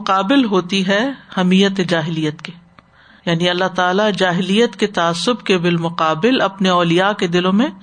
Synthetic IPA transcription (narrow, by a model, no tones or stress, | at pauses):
ʊqaːbɪlɦoːt̪iɦɛhɐmiːjət̪ed͡ʒaːɦɪliːjət̪ke | jaːniɐlːaɦt̪aːlad͡ʒaːɦɪlijət̪ket̪aaːsːʊbkebɪlmʊqaːbɪlɐpneɔːlijaked̪ɪlõmẽ